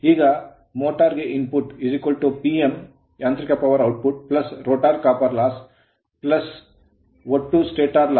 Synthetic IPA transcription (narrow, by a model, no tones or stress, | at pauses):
ɦiɡa | moʈaɾɡeʔinpuʈizikʋəlʈupiem | jãːnt̪ɾikʲjapɐʋəɾawʈ̚puʈ̚plɐsɾoːʈaɾkapəɾlas | plɐs | ʋɐʈːusʈeːʈaɾla